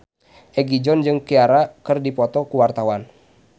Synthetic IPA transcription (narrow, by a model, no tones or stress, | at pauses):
ʔɛɡid͡ʒɔnd͡ʒɨŋkiaɾakɨrdipɔt̪ɔkuwart̪awan